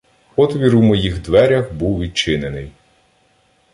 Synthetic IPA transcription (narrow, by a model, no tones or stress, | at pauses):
pɔt̪ʋʲiɾuwmɔjixd̪ʋɛɾʲɐxbuwʋʲid̪̚t͡ʃɪnenɪj